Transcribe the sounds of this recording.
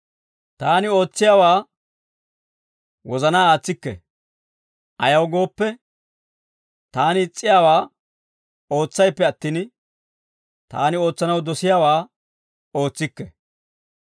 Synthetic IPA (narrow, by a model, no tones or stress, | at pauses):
t̪aːnɪo̞ːt͡sːɪjaːwaː | wɔzɐnaːaːt͡sːɪkːɛ̰ | ʔɐjɐwɡo̞ːpːɛ | t̪aːnɪːt͡sʼːɪjaːwaː | o̞ːt͡sːɐjpːɛɐt̪ːiːn | t̪a̰ːnɪo̞ːt͡sːɐnɐwd̪ɔsɪjaːwaː | o̞ːt͡sːɪkːɛ̰